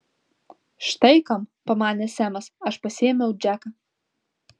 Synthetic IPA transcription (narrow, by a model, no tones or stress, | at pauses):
ʃt̪ɐjkɐmpɐmaːnʲɛsæmɐsaʃpɐsʲemʲɛw̚d͡ʒakɐ